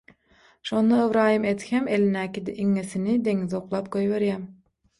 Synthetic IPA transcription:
ʃond̪ɑevɾɑːhimet̪hemelinːæːkʲid̪ɛʔiŋːesinid̪e̞ŋizoqlˠɑːp̚ɡojβeɾjæm

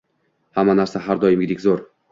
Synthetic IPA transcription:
hamːanaɾsaɦaɾd̪ɒjɪmɡʲɪd̪ɪkʲzoɾ

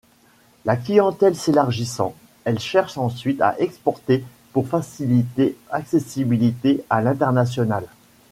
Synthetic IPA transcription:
laklijɑ̃t̪ɛlselaʁʒisɑ̰̃ | ɛlʃɛʁʃɑ̃sɥit̪a̰ʔɛkspɔʁt̪e | puʁfasilit̪eaksesibilit̪ealɛ̃t̪ɛʁnasjɔnal

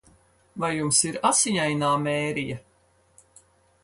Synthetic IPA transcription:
vajjumsiɾasiɲajnaːmɛːɾija

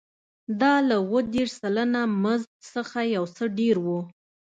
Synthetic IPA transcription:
d̪ɑlawəd̪eʂsalanamazɡksəxajawsəɖeɾwu

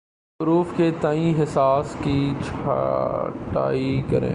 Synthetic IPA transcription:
ʊɾuːfket̪aːĩɦɪsaːskit͡ʃʰa̰ʈa̰ːikɐɾḛ̃ː

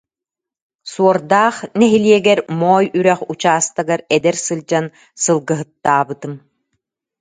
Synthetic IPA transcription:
suɔɾd̪aːχnɛɦiliɛɡɛɾmɔːjyɾɛχut͡ɕaːst̪aɡaɾɛd̪ɛɾsɯlˠd͡ʑan | sɯlˠɡɯɦɯt̪ːaːbɯt̪ɯm

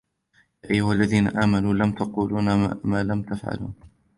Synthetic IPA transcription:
jaːʔajːʊhalːaðiːnaʔaːmanuːlamt̪aquːluːnamaːlamt̪afʕa̰lṵːn

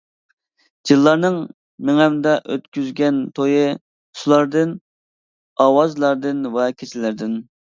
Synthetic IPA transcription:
d͡ʒɨlˠːɑɾnɨŋ | mɪŋɛmd̪ɛʔøt̪kʲyzɡʲɛnt̪ʰojɨ | sulˠɑɾd̪ɨn | ɑwɑzlˠɑɾd̪ɨnwɛkʲʰet͡ʃʰilɪɾd̪ɪn

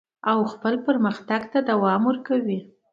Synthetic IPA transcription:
awxpəlpəɾməxt̪aɡt̪ad̪awɑmwəɾkawi

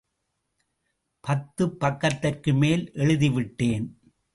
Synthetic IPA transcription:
pɐt̪ːɯpːɐkːɐt̪ːɐrkɯmeːlʔɛɻɯðɪʋɪʈːeːn

